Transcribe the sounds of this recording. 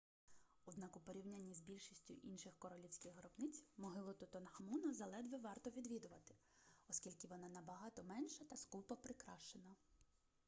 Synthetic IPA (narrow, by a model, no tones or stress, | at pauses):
ʊd̪nɑkʊpɔɾʲiwnʲanʲːizʲbʲilʲʃisʲtʲʊ̰ʔinʃɪxkɔɾɔlʲiwsʲkɪxɦɾɔbnɪt͡sʲmɔɦɪlˠɔt̪ʊt̪ɔnhɐmunɐzɐlˠɛd̪ʋɛʋɑrt̪ɔʋʲid̪ʋʲid̪ʊʋɐt̪ɪ̥ | ɔskʲilʲkɪʋɔnɑnɐbɐɦɑt̪ɔmɛnʃɐt̪ɐskupɔpɾɪkɾɑ̰ʃt͡ʃenɐ